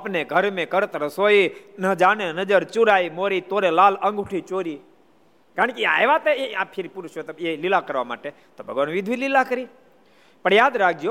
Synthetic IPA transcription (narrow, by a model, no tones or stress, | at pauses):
apneɡʱəɾmẽkəɾt̪əɾəsoːinəd͡ʒaːnenəd͡ʒəɾt͡ʃuɾaːimoɾit̪oːɾelaːlə̃ŋɡuʈʰit͡ʃoːɾi | kaɾəɳ̃kia̰jʋat̪eapʰɪɾipuɾʃot̪əelilakəɾʋama̰ːʈe | t̪obʱəɡʋaːnʋid̪ʱʋililakəɾi | pəɳjaːd̪ɾak̚ʰd͡ʒjoː